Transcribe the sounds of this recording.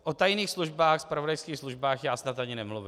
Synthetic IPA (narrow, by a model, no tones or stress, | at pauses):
ʔot̪ajniːxsluʒbaːxspɾavodajskiːxsluʒbaːxjaːsnat̪ʔaɲɪnɛmluvɪ